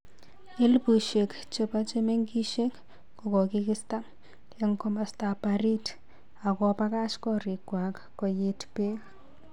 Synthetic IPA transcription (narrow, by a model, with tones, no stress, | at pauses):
e˦lpu˨ʃe˨k | t͡ʃe˦pa˦t͡ʃe˦me˦ŋki˦ʃe˦k | ku˨kɔ˨ki˦kɪ˦sta˦ | e˦ŋkɔ˦ma˨stapaɾi˦t | a˨kɔ˨pa˦ka˦t͡ʃkɔ˦ɾi˨kwa˨kːɔ˨je˦tpe˦k